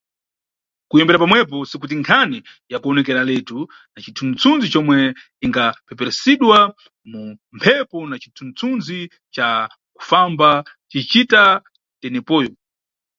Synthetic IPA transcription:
kujɔmbɛɾapamwɛp̬ɔsikut̬iŋkʰani | jakuɔnɛkɛɾalɛtu | nat͡ʃitʰunt͡sʰund͡zit͡ʃɔmwɛ | iŋɡapɛpɛɾɛsiɗwa | mumpʰɛpɔnat͡ʃi̥tʰunt͡sʰunzi | t͡ʃa | ku̥fambat͡ʃit͡ʃita | tɛnɛpɔːjɔ

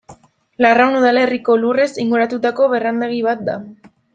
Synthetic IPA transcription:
larawnuð̞ale̞riko̞lure̞siŋɡuɾat̪ut̪ako̞βe̞rand̪eɣ̞iβ̞at̪̚d̪a

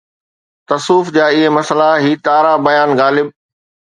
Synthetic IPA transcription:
t̪ɐsuːfd͡ʑaːɪɦemɐsəlaɦiːt̪aːɾabɐjaːnɣaːlɪb̚

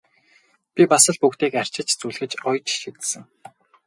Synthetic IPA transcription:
pʲipasə̆ɮpukt̪eːkar̥t͡ɕɪ̆t͡ɕt͡suːɮxɘ̆t͡ɕɔjt͡ɕʃit̪sɘ̆ŋ

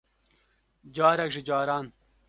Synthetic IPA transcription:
d͡ʑaːɾɐkʐid͡ʑaːɾaːn

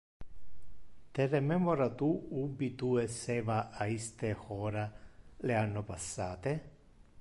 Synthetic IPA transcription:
t̪eremɛmoɾat̪uubit̪uesːɛːvaʔaist̪exɔːɾaleanːopasːaːt̪e

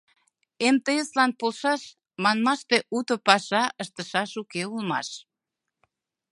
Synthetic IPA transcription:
emt̪eeslɑnpolʃɑʃ | mɑnmɑʃt̪eʔut̪opɑʃɑʔəʃt̪əʃɑʃukeulmɑ̰ʃ

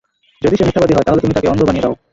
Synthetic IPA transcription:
d͡ʑod̪iʃeniʃʈʰabad̪iɦɔeaɦolet̪umit̪akeɔnd̪ʱobanieɾao

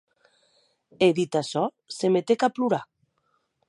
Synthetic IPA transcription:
eðit̪asɔ | semet̪ekapluɾa

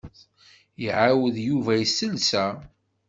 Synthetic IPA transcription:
iʕawəðjuvæjəsəlsæ

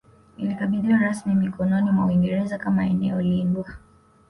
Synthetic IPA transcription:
nilikaɓiðiwaɾasmimikʰɔnɔnimwauwiŋɡɛɾɛzakamaɛnɛ̰ɔliŋɡwa

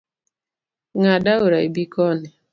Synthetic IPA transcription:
ŋadaoɾaibikɔnɛ

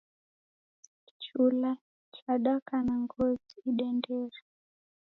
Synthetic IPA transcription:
t͡ʃula | t͡ʃaɗakanaŋɡɔziiɗɛndɛɾa

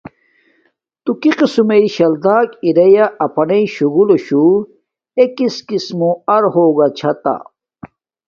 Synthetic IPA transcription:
t̪ukiqisumeiɕɐld̪aːkiɾɐjaʔɐpʰɐneiɕuɡuloɕu | ekiskismuɐɾhoːɡat͡ɕʰɐt̪a̰

